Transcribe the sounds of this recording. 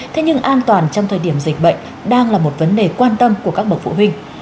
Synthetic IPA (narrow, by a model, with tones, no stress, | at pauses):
t̪ʰe˨˦ɲɨ˧ŋʔaː˧nt̪waː˨˩nt͡ɕɔ˧wŋ͡mt̪ʰəː˨˩ɗi˧˩əmzï˨˩k̟̚ɓə̰˧˨jŋ̟ | ɗaː˧ŋlaː˨˩mo˨˩t̚və˨˦nɗe˨˩kwaː˧nt̪ə˧mku˧˩əkaː˦˥k̚ɓə˨˩k̚fṵ˧˨wï˧ŋ̟